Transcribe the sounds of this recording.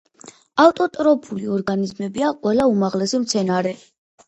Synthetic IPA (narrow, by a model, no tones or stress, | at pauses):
aft̪ʼɔt̪ʼɾɔpʰuliɔɾɡanizmɛbiaqʼwɛlaumaʁlɛsimt̪sʰɛnaɾɛ